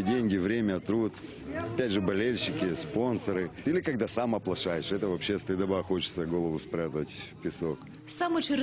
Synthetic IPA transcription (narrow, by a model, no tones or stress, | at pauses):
dʲenʲɡʲɪvɾʲemʲət̪ɾut̪ɐpʲædʲʐɨbɐlʲelʲɕɪkʲɪspo̞nsəɾɨilʲɪkɐɡd̪asamɐplˠɐʂajɪʂɛt̪əvɐpɕːest̪əd̪ɐbaxo̞t͡ɕɪt̪səɡo̞lˠəvʊspɾʲat̪əətʲfpʲɪso̞k | samʊt͡ɕɪɾ